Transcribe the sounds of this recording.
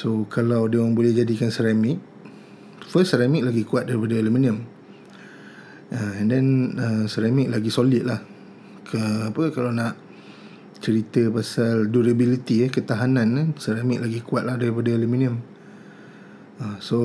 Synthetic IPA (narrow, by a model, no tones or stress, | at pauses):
sokalawdiaŋbolɛhd͡ʒadikansəɾamɪk̚ | fəssəɾamɪk̚laɡikuat̪̚daɾipadaelumĩniəm | ədɛnəsəɾamɪk̚laɡisolɪt̪̚lah | kʰəapəkalawnãʔ | t͡ʃəɾit̪əpasalduɾabilit̪iəkət̪aɦanãnsəɾamɪk̚laɡikuat̪̚lahdaɾipadaelumĩniəm | əso